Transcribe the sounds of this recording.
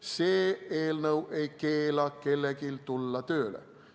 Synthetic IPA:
seːeːlnəwʔeikeːlɑkkelːækilt̪ulːɑt̪øːlæ̰

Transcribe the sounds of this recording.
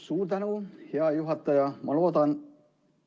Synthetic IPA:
suːt̪ænuːheɑjuɦɑt̪ːɑjɑmɑlot̪ɑn

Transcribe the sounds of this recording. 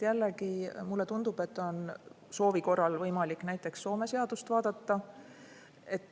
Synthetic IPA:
jælːe̞kimulːe̞t̪und̪ub̥e̞t̪ːˑo̞n | so̞ːviko̞rːɑlvɤjmɑlikːˑnæjt̪ːˑe̞ksːo̞ːme̞se̞ɑd̪̥ust̪vɑːd̪̥ɑt̪ːɑ | e̞t̪ːˑ

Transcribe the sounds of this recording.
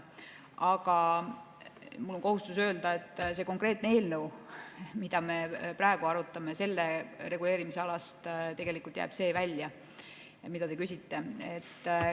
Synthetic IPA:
ɑɡɑ | mulːo̞ŋko̞ɦust̪usø̞ːld̪̥ɑe̞t̪ːˑse̞ko̞ŋkˑre̞ːt̪nee̞ːlnəwmid̪̥ɑme̞prɑeɡ̥uɑɾut̪ːˑɑme̞se̞lːe̞ɾe̞ɡule̞ːɾimise̞ɑlɑst̪t̪e̞ɡ̥e̞likult̪jæ̰ːb̥se̞ːvælʲjɑ | mid̪ɑt̪e̞kysʲit̪ːe̞et̪ː

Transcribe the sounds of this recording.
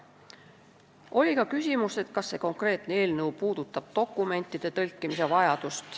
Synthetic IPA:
o̞lʲikɑkysʲimust̪e̞t̪kɑsːe̞ːko̞ŋkre̞ːt̪ˑnee̞ːlnɤupuːd̪̥ut̪ːˑɑb̥̚t̪o̞kːˑume̞nt̪ːˑid̪̥e̞t̪ɤlʲkːˑimis̬e̞vɑjɑd̪̥ust̪

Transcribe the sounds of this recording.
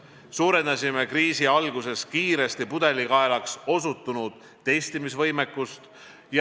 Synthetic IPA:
suːɾe̞nd̪ɑsʲime̞kriːsiɑlɡuse̞skiːɾe̞st̪ipud̪̥e̞likɑe̞lɑkso̞sut̪ːˑunud̪̥ːe̞jst̪imisvɤjmekːˑust̪ | j

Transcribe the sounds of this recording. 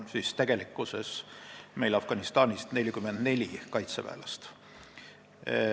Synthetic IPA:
nsist̪æɡ̥e̞likːˑuse̞sme̞jlɑfɡ̥ɑnist̪ɑːnist̪ne̞lʲːikymːend̪̥ne̞lʲikɑjt̪sevæ̰ːlɑst̪

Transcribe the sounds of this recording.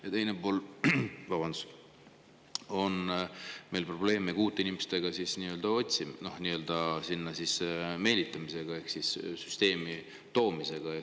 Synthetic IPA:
jɑt̪e̞jnepoːlvɑbɑnd̪̥us | o̞nme̞jlpro̞b̥le̞ːmekuːt̪ːˑeinimest̪e̞ɡ̥ɑsisniːø̞ld̪̥ɑo̞t̪ʲsino̞hniːø̞ld̪̥ɑsinːɑsisme̞ːlit̪ːˑɑmise̞ɡ̥ɑe̞hksissyst̪e̞ːmi | t̪o̞ːmise̞ɡ̥ɑe

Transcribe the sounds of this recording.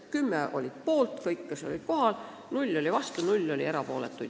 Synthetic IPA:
kymːeʔo̞̰lʲid̪̥po̞ːlt̪kɤjkːɑsolʲid̪̥ko̞hɑl | nulʲːo̞lʲivɑst̪unulʲːo̞lʲḭeɾɑpo̞ːlḛt̪ːˑujd̪̥

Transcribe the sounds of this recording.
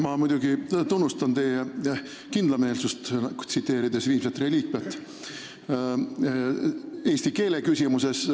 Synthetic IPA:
mɑmujd̪̥ʲuɡit̪unːust̪ɑnt̪e̞je | kind̪lɑme̞ːlsust̪ɡ̥t̪sit̪ːe̞ːɾid̪e̞sviːmset̪re̞lʲiːkvɑt̪ːˑ | e̞ːsʲt̪ike̞ːle̞kysʲimuse̞s

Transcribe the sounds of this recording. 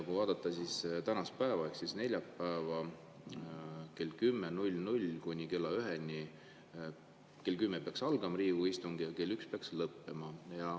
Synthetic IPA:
ɑkuvɑːd̪̥ɑt̪ːˑɑsist̪ænɑspæevɑeksisne̞lʲjɑpːæevɑ | ke̞lkymːenulʲːnulʲkunʲikelːɑyɦenʲi | ke̞lkymːepeɑksɑlɡ̥ɑmɑɾiːvuist̪uŋɡ̥ijɑke̞lːykspeɑkslɤpːe̞mɑjɑ

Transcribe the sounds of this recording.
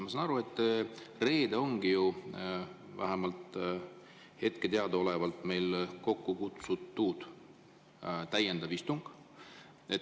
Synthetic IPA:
mɑsɑnɑɾue̞t̪ːˑre̞ːd̪̥o̞ŋɡ̥iju | væ̰ɦæmɑlt̪ˑ | he̞t̪ke̞t̪eɑd̪ɑo̞le̞vɑlt̪ˑme̞jlko̞kːukut̪sut̪ːuːd̪̥ | t̪æje̞nd̪̥ɑvist̪uŋɡ̥ | e̞t̪

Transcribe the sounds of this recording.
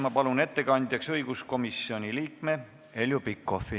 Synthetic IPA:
mɑpɑlune̞t̪ːe̞kɑnʲd̪̥ʲjɑksɤjɡ̥usko̞misio̞nʲiliːkme̞ | e̞lʲjupikːˑo̞fi

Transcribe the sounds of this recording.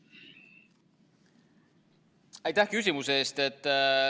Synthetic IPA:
ɑjt̪ːæhkys̬ʲimuseeːst̪e̞t̪ː

